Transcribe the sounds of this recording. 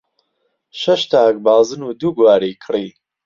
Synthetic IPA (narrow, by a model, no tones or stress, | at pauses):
ʃɐʃt̪ʰaːk̚baːzɨnuːd̪uːɡwaːɾikʰriː